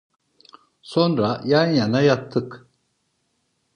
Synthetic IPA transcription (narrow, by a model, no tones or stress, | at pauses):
so̞nɾajanjanajat̪ʰːɯk